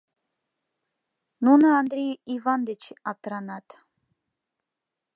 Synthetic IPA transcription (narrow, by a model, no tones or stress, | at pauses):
nunaand̪ɾʲejivand̪et͡ʃʰap̚t̪ɾanat̪